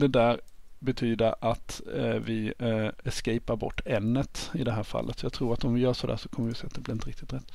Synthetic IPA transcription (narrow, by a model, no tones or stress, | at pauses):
d̪ɛd̪æːɾbɛt̪ʰyːd̪əɾʔat̪vɪɛʂkɛjpaɾbɔ̰ʈːɛnːət̪ɪd̪ɛɦæːɾfa̰lːʔət̪sɔjɑːt̪ʰɾuːɾat̪ɔmvɪjœːʂɔd̪æ̰ːʂɔkʰɔmːəɾɪsɛːat̪d̪ɛblɪɾɪnəɾɪkt̪ɪt̪ɾɛt̪ː